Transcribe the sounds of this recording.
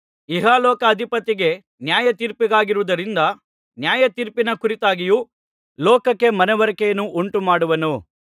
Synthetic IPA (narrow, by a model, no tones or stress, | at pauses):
iɦaːlɔːkɐːd̪ʱipɐt̪ːiɡe̞ | njaːjɐt̪iːɾpiɡaːɡiɾuʋud̪ɐɾind̪ɐ | njaːjɐt̪iːɾpinɐkuɾit̪aːɡiju | lɔːkɐkːe̞mɐnɛʋɐɾɐkɛjɐnuʔuɳʈumaːɽuʋɐnu